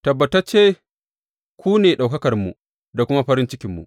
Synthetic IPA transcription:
tɐ˨bːɐ˨ta˦t͡ʃeː˦ | kʷuː˦neː˨ɗa˨wkɐ˦kɐ˨rmṵ˨ | da˨kʷʊ˦ma˦ɸɐ˦ɾɪ˦nt͡ʃɪ˦kʲɪ˨mːṵ˨ʔ

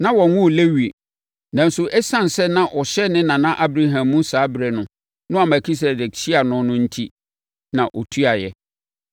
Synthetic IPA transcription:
nã˦wɔ̃˨wʊ̃˦˨le˦ɥi˨ | nã˨n̩˦sʊ˨ʔɛ˦sã˦˨n̩˨sɛ˦nã˦ʔɔ˨ɕɛ˦nɪ̃˦nã˨nã˦ʔa˦bɾa˦ɦã˨mːũ˦saː˨˦bɾɛ˨nʊ̃˨ | nʊ̃˦a˨mæ˨kʰi˦s̬e˨dɛ˨kɕi˦a˨nʊ̃˨nʊ̃˦n̩˦tʰi˦ | nã˨ʔɔ˨tʰu˦a˨jɛ˨

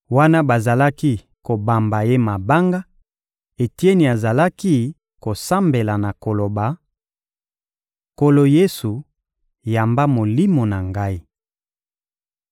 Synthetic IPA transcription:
wa˦na˦ba˨za˨la˦ki˦ | ko˨ba˨mba˨je˦ma˨ba˦ŋɡa˦ | e˨ti˦e˦ni˨a˨za˨la˦ki˦ | ko˨sa˦mbe˨la˨na˨ko˨lo˨ba˨ | ko˦lo˨je˦su˨ | ja˨mba˦mo˨li˦mo˨na˨ŋɡa˦i˦

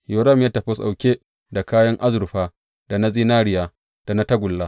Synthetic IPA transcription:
jo˨ɾɐ˦˨mjaː˦tɐ˨ɸɪ˦sa̰˨wkʲeː˦ | da˨kaː˦jɐ˦ŋʔa˦zʊ˨ɾɸaː˦ | d̥a˨na˦ziː˦naː˦ɾɪ˦jaː˨ | d̥a˨na˦tɐ˦ɡʷʊ˨lːaː˦

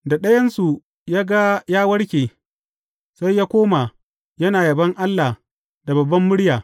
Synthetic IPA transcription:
da˨ɗɐ˦jɐ˦nsu˨ | jaː˦ɡa˦jaː˦wɐ˦ɽkʲeː˨ | sa˦jːaː˦kʷoː˦ma˨ | jɐ˦naː˨jɐ˨bɐ˦ŋʔa˦lːa˨ | da˨bɐ˨bːɐ˦mːʊ˦ɽjaː˨

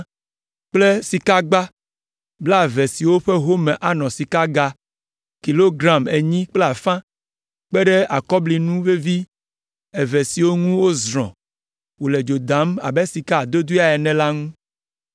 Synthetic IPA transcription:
k͡ple˦si˨ka˦ɡ͡ba˦ | bla˦˨ve˨si˨wo˦ɸe˦ɦo˦mɛ̃˨ʔa˨nɔ̃˨si˨ka˦ɡa˦ | ki˨lo˦ɡɾa˦me˨ɲĩ˦k͡ple˦a˨fã˦ | k͡pe˦ɖe˦a˨kɔ˦bli˨nũ˦ve˦vi˦ | e˨ve˨si˨wo˦ŋũ˦wo˦zɾɔ̰̃˨ | wo˨le˨d͡ʒo˨d̪a˨˦ma̰˨be˦si˨ka˦a˨d̪o˦d̪u˦a˨ɛ˨nɛ̃˨la˦ŋũ˦

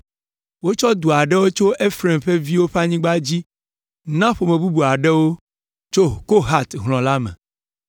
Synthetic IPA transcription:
wo˦t͡ʃɔ˦d̪u˨a˨ɖɛ˦wo˦t͡ʃo˦ʔe˦fɾe˨mɸe˦vi˦wo˦ɸa˦ɲĩ˦ɡ͡ba˦d͡ʑi˦ | nã˦ɸo˨mẽ˨bu˦bu˨a˨ɖɛ˦wo˦ | t͡ʃo˦ko˦ɦa˦t̪ɦl̃ɔ̃˨la˦mɛ̰̃˨

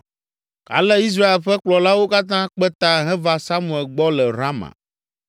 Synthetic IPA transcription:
a̰˨lɛ˦i˦s̬ɾa˦e˨lɸɛ˦k͡plɔ˨la˦wo˦ka˦t̪ã˦k͡pɛ˦t̪a˦ɦɛ̃˦va˦sa˦mũ˨ɛ˨lɡ͡bɔ˦lɛ˨ɾa˦mã̰˨

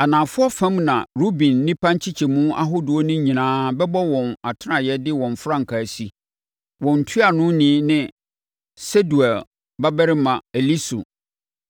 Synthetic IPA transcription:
a˨nã˨fʊ˦ɔ˦fã˦mnã˨ɾu˦bĩ˨nːɪ̃˦pʰã˦ɲ˦t͡ɕʰi˦t͡ɕʰɛ˨mũ˦a̰˦ɦo˦dɔ˦nʊ̃˦ɲĩ˨nãː˦bɛ˦bɔ˦wɔ̃˨na˨tʰɪ˦nã˨jɛ˦dɪ˦wɔ̃˨ɱ˨fɾã˦ŋ̩˨kʰa˨si˦ | wɔ̃˨n̩˨tʰu˦a˨nʊ̃˦nĩ˨˦nɪ̃˦ | se˦du˨ɛ˨l | ba˦bɛ˦ɾɪ˦mã˨e˨li˦so̰˨

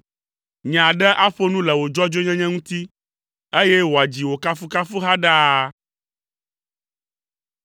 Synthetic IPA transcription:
ɲ˨ã˨ɖɛ˦ʔa˦ɸo˦nũ˦lɛ˨wo˨d͡ʒɔ˦d͡ʒo˦ɲɛ̃˦ɲɛ̃˦ŋũ˦t̪i˦ | e˦jɛ˦wo˨a˨d͡ʑi˨wo˨ka˦fu˦ka˦fu˦ɦa˦ɖa˦

